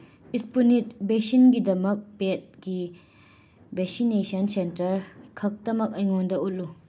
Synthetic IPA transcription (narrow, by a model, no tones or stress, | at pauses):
ispunit̚besinɡid̪ɐmɐk̚pet̚ɡi | bɛksinesɐnsentɐɾkʰɐk̚t̪ɐmɐk̚ɐjŋɔnd̪ɐʔut̚lu